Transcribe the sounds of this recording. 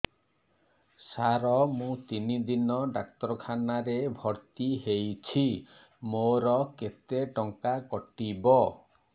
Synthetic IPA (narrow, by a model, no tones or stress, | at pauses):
saɾɔmũt̪inid̪inɔɖak̚t̪ɔɾɔkʰanaɾebʱɔɾt̪iɦejt͡ʃʰi | moɾɔket̪eʈɔŋkakɔʈibɔ